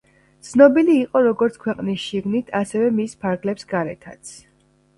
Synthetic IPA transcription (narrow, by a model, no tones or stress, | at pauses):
t̪sʰnɔbiliːqʼɔɾɔɡɔɾt̪sʰkʰwɛqʼnisʃiɡnit̪ʰasɛvɛmispʰaɾɡlɛpsɡaɾɛt̪ʰat̪sʰ